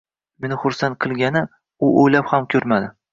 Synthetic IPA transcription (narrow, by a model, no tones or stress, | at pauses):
menɪχʊɾsant̪̚qʰɨlˠɡʲanɪ | ʊʔojlaphamkʲʰɵɾmad̪ɪ